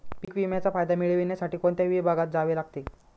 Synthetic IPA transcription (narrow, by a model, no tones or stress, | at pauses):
pikʋimjat͡safajd̪amiɭeʋiɳjasaʈiːkoɳt̪jaʋibʱaɡat̪̚d͡zaʋelaɡt̪e